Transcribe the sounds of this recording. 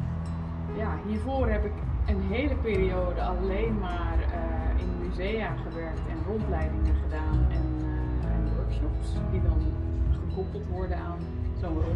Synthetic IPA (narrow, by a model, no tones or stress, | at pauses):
jaːɦiːɹvoːrɦɛpɪkənɦejləpɪːɾiowdəɑlejnmaːrɪ̰nəmyzejaːχəʋɛɹk̚tɛnrɔntlɛjdɪŋəχədaːnɛn | ə̰nəʋɜɹkʃɔpsdidɑnχəkɔpəlˠtʋɔɹdənaːn | zow